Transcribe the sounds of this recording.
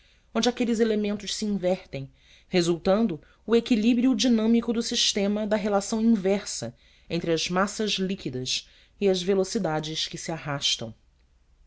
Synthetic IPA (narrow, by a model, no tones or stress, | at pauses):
õnd͡ʒɪakelɪzelemẽnt̪ʊʃsiĩvɛɾt̪ẽj̃ | hezuwt̪ɐ̃nd̪ʊː | ekilibɾiʊd͡ʒinɐ̃mikʊd̪ʊsiʃt̪ẽmɐd̪ɐɦelasɐ̃w̃ĩvɛɾsɐ̰ | ẽnt̪ɾɪɐzmasɐzlikid̪ɐʃ | iɐzvelosid̪ad͡ʒɪskɪsiaɦaʃt̪ɐ̰̃w̃